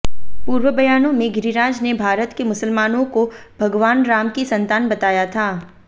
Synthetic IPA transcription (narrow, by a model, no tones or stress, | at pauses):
puːɾʋəbɐjaːnõmẽɡɪɾiɾaːd͡ʒnebʱaːɾət̪kemʊsəlmaːnõkob̥ʱɐɡʋaːnɾaːmkisɐ̃nt̪aːnbɐt̪aːjat̪ʰaː